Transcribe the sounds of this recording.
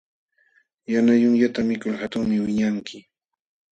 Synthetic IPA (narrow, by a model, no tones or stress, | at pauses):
janajʊŋʎat̪amɪkʊlhat̪ʊŋmɪwɪɲaŋkʰɪ